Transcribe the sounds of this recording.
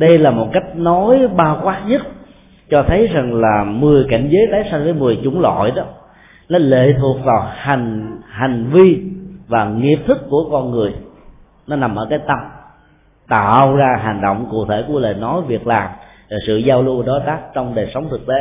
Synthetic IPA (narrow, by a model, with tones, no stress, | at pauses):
ɗə˧jlaː˨˩mo˨˩t̚ka˦˥jk̟̚nɔ˨˦jɓaː˧wkwaː˦˥ɲə˦˥t̚ | t͡ɕɔ˧t̪ʰə˨˦jza˨˩ŋlaː˨˩mɨ˨˩əjka̰˧˩jŋ̟zəː˨˦jt̪aː˨˦jsa˧jŋvəː˨˦jmɨ˨˩əjt͡ɕʊ˨˧˦ŋ͡mlɔ̰˧˨jɗɔ˨˦ | nɔ˨˦lḛ˧˨t̪ʰu˨˩ək̚vaː˨˩wha˨˩ŋ̟ha˨˩jŋ̟vi˧vaː˨˩ŋi˨˩əp̚t̪ʰɨ˦˥kːu˧˩əkɔ˧nŋɨ˨˩əj | nɔ˨˦na˨˩mʔəː˧˩kaː˨˦jt̪ə˧m | t̪a̰ː˧˨wzaː˧ɦa˨˩ŋ̟ɗo̰˧˨wŋ͡mkṵ˧˨t̪ʰe˧˩ku˧˩ələ̰ː˧˨˩jnɔ˨˦jvi˨˩ək̚laː˨˩m | a˨˩sɨ̰˧˨zaː˧wlu˧əɗɔ˨˦jt̪aː˦˥k̚t͡ɕɔ˧wŋ͡mɗəː˨˩jsə˨˦wŋ͡mt̪ʰɨ˨˩k̚t̪e˨˦